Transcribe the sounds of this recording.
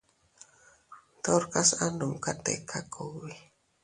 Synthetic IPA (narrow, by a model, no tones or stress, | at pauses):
t̪ɔrkasanʊmkat̪ɛ̰kʰakʰowi